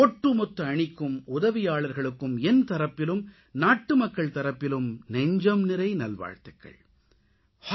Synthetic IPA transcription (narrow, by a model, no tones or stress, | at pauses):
ɔʈːɯmɔt̪ːɐɐɳɪkːɯmʊðɐʋɪjaːɭɐɾɣɐɭɯkːɯmɛnt̪ɐɾɐpːɪlɯm | naːʈːɯmɐkːɐɭt̪ɐɾɐpːɪlɯmnɛɲd͡ʒɐmnɪɾɐɪnɐlʋa̰ːɻt̪ɐkːɐ̰ɭ | h